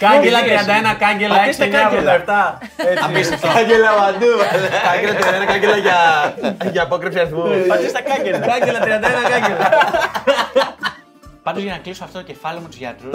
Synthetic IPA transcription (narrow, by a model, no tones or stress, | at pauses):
kɐɟelɐt̪ɾiɐnd̪ɐenɐkɐɲɟeloɐeisɐiɲɐoeft̪ɐ | eɐisɐfoɐɟelɐvɐd̪ukɐɲɟelɐt̪ɾiɐenɐkɐɲɟelɐʝɐ | ʝɐpokɾefsiɐsmufɐt̪ist̪ɐkɐɟelɐkɐɲɟelɐt̪ɾiɐnd̪ɐenɐkɐɲɟelɐ | pɐnd̪ozʝɐnɐklisoɐft̪o̞t̪ocefɐliomut̪uʝɐ̰t̪ɾu